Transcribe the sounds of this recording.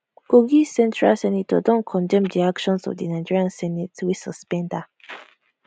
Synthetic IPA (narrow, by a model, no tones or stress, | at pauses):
koɡisɛ̃ntɹalsɛnitə̰dɔ̃nkʰɔ̃ndɛ̃mdiakʃɔ̃nsɔ̰vdinaɪd͡ʒiɹiãnsɛnitwisəspɛ̃nda